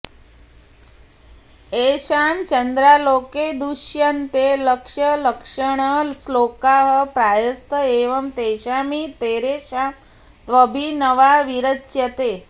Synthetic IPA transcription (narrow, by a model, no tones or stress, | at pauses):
eɕamt͡ɕənd̪ɾaloked̪uʃjənt̪eləkʂələkʂəɳ̃əslokaɦəpɾajəst̪ʰəeʋəmt̪eɕamit̪eɾeɕam | t̪ʋəbʱinəʋaʋiɾətːjət̪e